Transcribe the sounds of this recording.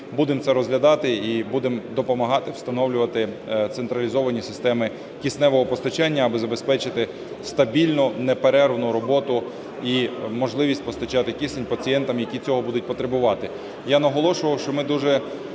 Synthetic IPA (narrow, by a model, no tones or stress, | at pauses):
bud̪emt̪sɛɾɔzɦlʲɐd̪ɑt̪ɪibud̪emd̪ɔpɔmɐɦɑt̪ɪwst̪ɐnɔwlʲʊʋɐt̪ɪt̪sent̪ɾɐlʲizɔʋɐnʲisɪ̥st̪ɛmɪ | kʲisnɛʋɔɦɔpɔst̪ɐt͡ʃɑnʲːɐːbɪzɐbespɛt͡ʃɪt̪ɪ | st̪ɐbʲilʲnʊnɛpeɾɛrʋnʊɾɔbɔt̪ʊ | imɔʒlˠɪʋʲisʲt̚ʲpɔst̪ɐt͡ʃɑt̪ɪkʲisenʲpɐt͡sʲijɛnt̪ɐmjɐkʲit͡sʲɔɦɔbud̪ʊt̚ʲpɔt̪ɾebʊʋɑt̪ɪ | janɐɦɔlˠɔʃʊʋɐwʃt͡ʃɔmɪd̪uʒɛ